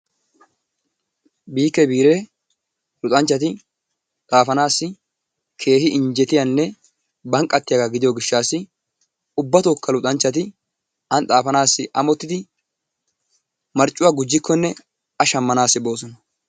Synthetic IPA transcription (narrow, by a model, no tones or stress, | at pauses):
biːkːɛbiːɾe | lʊt̪ʼɐɲt͡ʃːɐt̪ɪ | t̪ʼaːfɐnaːsːɪ | kʰe̞ːhɪʔɪɲd͡ʒɛt̪ɪjɐnːɛ | bɐŋkʼːɐt̪ːɪjaɡaɡɪd̪ɪjɔɡɪʃːaːsːɪ | ʊbːɐt̪oːkːɐlʊt̪ʼɐnt͡ʃːɐt̪̬ɪ | ɐnt̪ʼaːfɐnaːsːɪʔɐmɔt̪ːɪd̪ɪ | mɐɾt͡ʃʼːʊwaːɡʊd͡ʒːɪkːɔnːɛ | ɐʃɐmːɐnaːsːɪbo̞ːsɔnɐ